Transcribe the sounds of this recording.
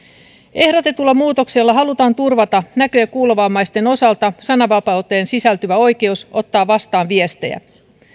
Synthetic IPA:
e̞hɾo̞t̪e̞t̪ulːɑmuːt̪o̞kselːɑɦɑlut̪ɑːnt̪urʋɑt̪ɑnækøjækuːleʋɑːmːɑjst̪e̞no̞sɑlt̪ɑsɑnɑʋɑpɑut̪ːˑeːnsisælt̪yʋæo̞jk̟e̞uso̞t̪ːɑːʋɑst̪ɑːnʋie̞st̪ejæ̰

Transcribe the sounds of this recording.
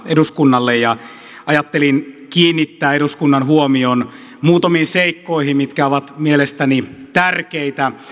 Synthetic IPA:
eduskunːɑlːejɑ | ɑjɑt̪ːelinkiːnːit̪ːæːeɾuskunːɑnhuomion | muːt̪ɑmiːnseikːoihimmit̪kæoʋɑt̪mielest̪ænit̪ærkeit̪æ

